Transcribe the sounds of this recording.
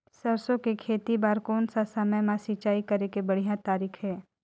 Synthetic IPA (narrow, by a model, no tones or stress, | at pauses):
sɐɾsõkikʰeːt̪ibaːɾkoːnsasəməjmãsɪt͡ʃaːikɐɾekebɐɽ̤ijãt̪aːɾiːkʰɦɛː